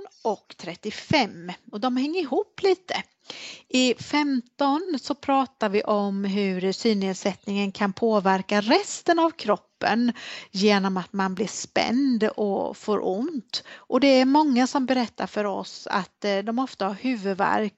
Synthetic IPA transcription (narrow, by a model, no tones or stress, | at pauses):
nɔkt̪ʰɾɛt̪ːɪfɛmɔd̪ɔmhɛŋːəɾɪɦuːpːliːt̪ə | ʔɪfɛmt̪ɔnsɔpʰɾɑːt̪aɾvɪʔɔmɦɵɾsyːneːd̪sɛt̪nɪŋənkʰanpʰoːvæɾkaɾɛst̪ənavkʰɾɔpːə̰njeːnɔmat̪manblɪʂpɛ̰nd̪ɔ̰foːɾʔʊ̰nt̪ʔɔd̪ɛæɾmɔŋːasɔmbɛɾɛt̪ʰːa̰ɾfœɾɔ̰sa̰t̪d̪ɔmɔft̪ahaɾhʉ̟ːvɵd̪væ̰ɾk